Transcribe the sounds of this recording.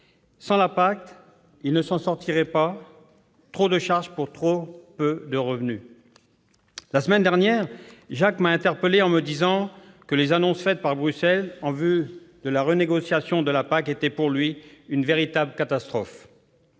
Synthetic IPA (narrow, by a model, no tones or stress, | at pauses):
sɑ̃lapak̚t̪ | ilnəsɑ̃sɔʁt̪iʁɛpa | t̪χod̪əʃaʁʒpuʁt̪χopød̪əʁəvny | lasəmɛnd̪ɛʁnjɛːʁʒakmaɛ̃t̪ɛʁpəleɑ̃məd̪izɑ̃ | kəlezanɔ̃sfɛt̪̚paʁbʁysɛlɑ̃vyd̪əlaʁəneɡɔsjasjɔ̃d̪əlapaket̪ɛpuʁlɥiynveʁit̪abləkat̪ast̪χɔf